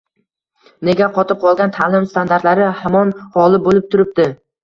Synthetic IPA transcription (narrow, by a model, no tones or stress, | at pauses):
ne̞ɡʲaqʰɒt̪ʰɪp̚qʰɒlˠɡʲant̪ʰalɪmst̪ʰand̪aɾt̪laɾɪhamɒnhɒlˠɪbolɪp̚t̪ʰʊɾɪp̚d̪ɪ